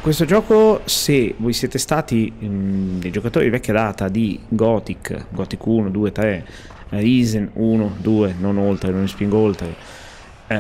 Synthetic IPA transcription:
kwest̪od͡ʒɔːkosevojsjeːt̪est̪aːt̪i | d̪ejd͡ʒokat̪oːɾivɛkʲːad̪aːt̪ad̪iɡɔt̪ikɡɔt̪ikːuːnod̪uːet̪ɾe | ɾiːzenuːnod̪uːenonolt̪ɾenonspiŋɡoolt̪ɾe

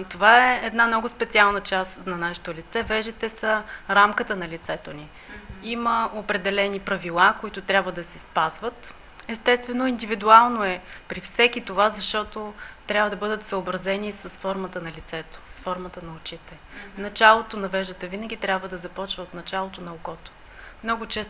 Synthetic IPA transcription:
t̪ovaɛɛd̪namnɔɡʊspɛt̪sʲialˠnət͡ʃasnɐnaʃɪ̥t̪olit̪sɛvɛʒɛt̪ɛsəɾamkət̪ənɐlit̪sɛt̪oni | iməopɾɛd̪ɛlɛnipɾɐvilˠakoit̪ʊt̪ɾʲabvəd̪ɐsɛspazvət̪ | ɛst̪ɛst̪vɛnoind̪ivid̪ualˠnoɛpɾifsɛkit̪ovazɐʃt̪ɔt̪ot̪ɾʲabvəd̪ɐbɤd̪ət̪səobɾɐzɛnisəsfɔɾmət̪ənɐlit̪sɛt̪o̥sfɔɾmət̪ənɐot͡ʃit̪ɛ | nɐt͡ʃalˠot̪onɐvɛʒd̪ət̪əvinəɡ̟ʲit̪ɾʲabvəd̪ɐzɐpɔt͡ʃvəot̪nɐt͡ʃalˠot̪onɐokɔt̪o̥ | mnɔɡʊt͡ʃɛst̪

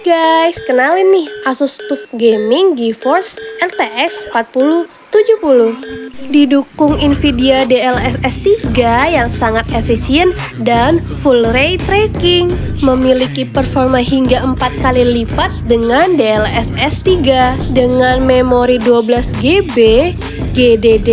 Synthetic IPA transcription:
ɡajskənalɪnɪhʔasust̪ufɡemɪŋɡifɔrsʔɛlt̪eʔɛsəmpat̪̚puluh | t̪ud͡ʒuhpulʊhdidukʊŋinfidiadeɛlɛsɛst̪iɡajaŋsaŋat̪efisiɛndanfulrejt̪ɾekɪŋməmilikipərfɔrmənɦiŋɡaəmpat̪̚kalilifat̪̚dəŋandeɛlɛsɛst̪iɡadəŋanmemoɾiduabəlasɡebe | ɡedede

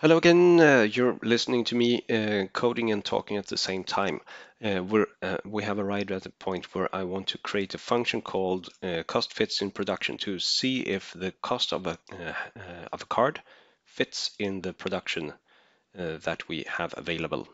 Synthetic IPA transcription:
hɛloʊəɡɛ̃njə˞lɪsnɪ̃ŋtʰɨmikʰoʊɾɪ̃ŋɨ̃ntʰɔ̰kɪ̃ŋɨt̪̚ðɨsẽɪ̃mtʰãɪ̃mwə˞wiɨvəɹaɪɾɨtɾəpʰɔ̃ɪ̃nt̚ʰwə˞ʔa̰ɪwɑ̃ntʰɨkʰɹ̥ieɪɾɨfʌ̃ŋkʃɨ̃nkʰɔlˠdkʰɔstfɪtsɨ̃npʰɹ̥ɨdʌkʃɨ̰̃ntʰɨsiɪ̰fðɨkʰɔstʌ̰və | ʌ̰vəkʰɑɹd̥ | fɪtsɪ̃nðɨpʰɹ̥ɨdʌkʃɨ̃n | ðɨ̰t̚wḭə̰və̰veɪlˠəbl̩ˠ

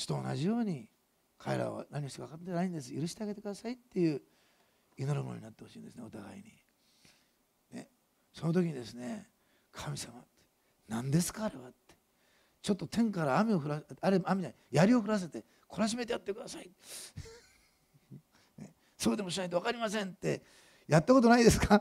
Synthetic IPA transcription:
ɕi̥t̪o̞̰ːna̰ʑijo̞ːɲ̟i | kʰaeɾa̰βa̰naɲ̟ʲioçt̪oɡakat̪ːenaĩnd̪e̞s̬ɨjɯɾɯ̟ɕi̥t̪e̞aɡet̪e̞kɯ̟d̪asait̪ːe̞jɯ̟ː | ino̞ɾɯmo̞no̰ɲinat̪ːe̞ho̞ɕĩːnd̪e̞sɨneo̞t̪aɡa̰ḭɲ̟i | ne̞̰ | so̞not̪̬o̞kʲiɲid̪e̞sɨne̞ | kʰamʲisamat̪ːe | nãnd̪e̞sɨ̥kaːɾe̞βat̪ːe̥ | t͡ɕo̞t̪ːot̪ʰẽ̞ŋkaɾaːmʲio̞ɸɯ̟ɾaaɾeamʲina | jaɾʲio̞ɸɯ̟ɾas̬e̞t̪e̞ | kʰo̞ɾaɕ̬ime̞t̪eat̪ːe̞kɯ̟d̪asai | nḛ | so̞ːd̪e̞mo̞ɕ̬inait̪oakaɾʲimas̬ẽ̞nt̪ːe̞ | jat̪ːako̞t̪o̞naid̪e̞sɨ̥ka

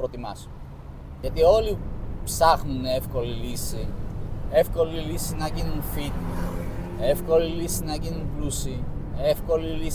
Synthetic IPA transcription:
pɾot̪imɐsu | ʝɐt̪io̞lipsɐxnunefko̞lilisi | e̞fko̞lilisinɐcinunfit̪i | e̞fko̞lilisinɐʝinunplusiefko̞lili

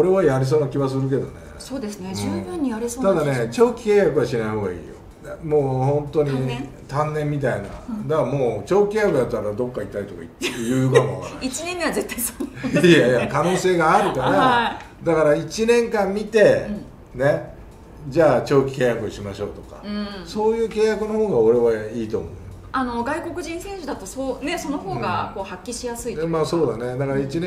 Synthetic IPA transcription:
o̞ɾe̞βajaɾʲis̬oːnakʲiβas̬ɨɾɯ̟k̬e̞d̪o̞̰ne̞̰soːd̪esnːbɯ̃ɲːijaɾisoːt̪ad̪ane̞t͡ɕo̞ːkʲi̥keːjakɯβaɕinaiho̞ːɡa̰ḭːjo̰ | moːhõ̞nt̪o̞ɲ̟i | t̪ãnːẽ̞mːʲit̪̬aina̰d̪amo̞ːt͡ɕo̞ːkʲeːjakɯ̟jat̪ːaɾad̪o̞kːait̪ːaɾʲit̪o̞ka̰it̪ːjɯːjokamoaait͡ɕinẽŋkãnzet̪ːaisoajakano̞ːse̞ːɡaːɾɯ̟kaɾa | d̪akaɾait͡ɕinẽ̞ŋkãmːʲit̪e̞ | ne̞ | d͡ʑaːt͡ɕo̞ːkʲi̥kẽ̞ːjakɯoɕimaɕo̞̰ːt̪o̞ka̰ɯ̃so̞ːjɯ̟ːke̞ːjakɯ̟no̞ho̞ːɡaoɾe̞βaiːt̪o̞ːmo̞̰ | ano̞ɡaiko̞kɯ̟ʑĩɰ̃sẽ̞ɰ̃ɕɨd̪at̪osoːne̞so̞noho̞ːɡa̰ko̞ːhakʲːiɕijasɨimaso̞ːd̪ane̞d̪akaɾait͡ɕin

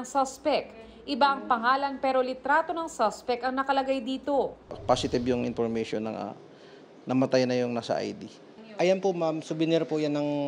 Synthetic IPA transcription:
ŋsɐspɛk | ʔɪbaʔɐŋpɐŋaːlɐnpɛːɾo̞lɪt̪ɾaːt̪o̞nɐŋsaspɛkɐŋnɐkɐlɐɡajd̪iːt̪o̞pasɪt̪ɪbjʊŋɪ̰npoɾmɐʃonɐ̰ŋʔa̰ | nɐmɐt̪ajnɐjʊŋnasɐ̰ʔa̰jd̪i | ʔɐjanpomamsʊbɪnɪɾpojanːɐŋ

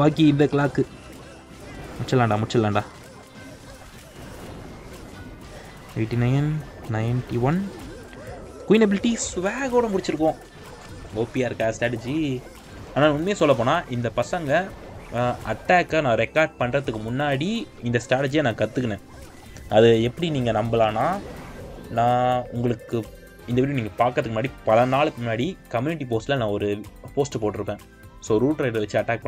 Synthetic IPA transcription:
ʋaːkiɪnd̪ɐkɪlaːkːɯ | mʊʈt͡ʃːɐlːaːɳɖãːmʊt͡ʃːɐlːaːɳɖãː | eːʈːinɐɪnnɐɪnʈiʋɐn | kʊjɪnɐbɪlɪʈːisʊʋaːɣoːɽɐmʊɽɪt͡ʃːɪɾɯk̬ːõː | oːpijaːɪɾɯkːaːsʈɾaːʈ̬ɛd͡ʒi | aːnaːʊnmeːsɔlːɐpoːnãːʔɪnd̪ɐpɐsɐŋɡɐ | ɐʈːaːkːanãːɾɛkːaːɾɖ̚pɐɳɾɐt̪ɯkːɯmʊnːaːɽiɪnd̪ɐsʈɾaːʈɛd͡ʒijanãːkɐt̪ːɯkːɐnẽː | ɐðɯɛpːɐɽiniːŋɡɐnɐmbɐlaːnaː | nãːʊŋɡɐɭɯkːɯ | ɪnd̪ɐʋiːɾij̃niːŋɡɐpaːkɾɐðɯkːɯmʊnaːɽipɐlɐnaːɭɯkːɯmʊnːaːɽikɐmjuːnɪʈ̬ːip̬oːsʈlɐnãːɔɾɯpoːsʈɐpoːʈːɯɾɯpːẽː | soːɾuːʈɾɐɪʈʋɐt͡ʃːɯɐʈːaːk̚pɐ

